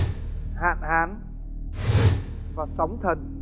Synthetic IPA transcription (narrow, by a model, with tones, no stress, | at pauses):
ha̰ː˧˨nhaː˨˦n | vaː˨˩sə˨˦wŋ͡mt̪ʰə˨˩n̚